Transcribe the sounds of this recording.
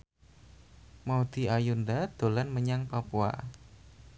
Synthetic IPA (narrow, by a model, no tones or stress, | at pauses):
maud̪̥i̤ajundad̪̥o̤lanməɲaŋpapua̰